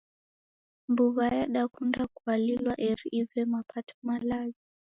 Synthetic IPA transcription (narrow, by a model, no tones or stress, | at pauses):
mbuɣajaɗakundakualilwaʔɛɾiʔivɛmapʰatʰɔ̥malazi